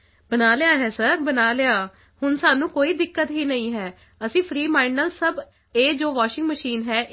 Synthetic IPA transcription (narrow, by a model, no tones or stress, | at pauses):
bənaːlɪjaːɦɛːsəɾbənaːlɪaː | hʊnsaːnũːkoːiːd̪ɪkːət̪ɦiːnəĩːɦɛː | əsĩːpʰɾiːmaːɪnːəlsəb | eːd͡ʒoːʋaːʃɪ̃ŋɡməʃiːnɦɛːʔ